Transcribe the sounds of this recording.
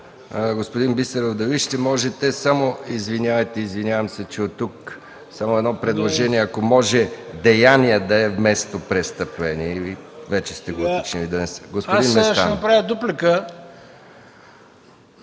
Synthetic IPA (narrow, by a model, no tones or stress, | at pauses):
ɡospod̪inbist̪ɛɾovd̪ɐviʃt̪ɛmɔʒɛt̪ɛsamoizvinʲjavɛt̪ɛizvinʲjavəmsɛt͡ʃɛot̪ːuk | samoɛd̪nɔpɾɛd̪lˠoʒɛniɛɐkomɔʒɛd̪ɛjaniəd̪ɐɛvmɛst̪opɾɛst̪əpvɛniivɛt͡ʃɛst̪ɛɡot̪ot͡ʃniid̪ɐnɛsɡospod̪inmɛsʃanɐpɾavʲjəd̪oplɛkə